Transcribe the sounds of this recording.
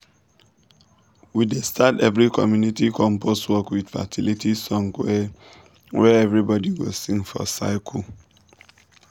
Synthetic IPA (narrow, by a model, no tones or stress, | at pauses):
widestʰatɛvɹikʰɔmjunitikʰɔ̃mposwɔkwid̥fa̰tʰilitʰisɔ̃ŋkwɛ | wɛɛvɹibɔdiwosĩŋfɔ̰sa̰ɪkʰɔ